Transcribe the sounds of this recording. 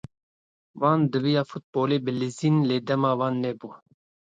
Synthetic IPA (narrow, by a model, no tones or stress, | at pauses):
wɑːnd̪ɨvijɑːfut̪̚boːleːbɨliziːnleːd̪ɛmɑːwɑːnːɛbu